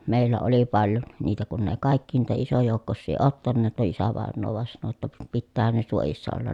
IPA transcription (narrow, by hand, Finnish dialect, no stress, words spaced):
meˑilːæ oli pɑljon niːtæ kun ne kɑˑikːi eˑĭ niːtæ isojoˑukːosːiː otːɑnːeːt no isæʋɑˑenːoː ʋɑˑen sɑno j̆otːɑ p pitːæːhæn ne suojisːɑ olːɑn